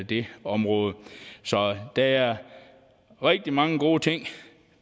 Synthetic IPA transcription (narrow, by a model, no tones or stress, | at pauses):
d̥eɒ̽mʁɔ̽ːð̞̩ˠəsɒ̽d̥ææɐ | ʁɛɡ̥̚d̥imɑ̈ŋəɡ̥o̝̰ːt͡sʰeŋ̰